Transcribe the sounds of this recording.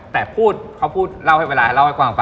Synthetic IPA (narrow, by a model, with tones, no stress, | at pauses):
t̪ɛː˨˩pʰuː˥˩t̪̚kʰa˦˥wpʰuː˥˩t̪̚la˥˩wha˥˩jweː˧aː˧˥˩la˥˩wha˥˩jkwaː˨˩ɔ˨˩pa˧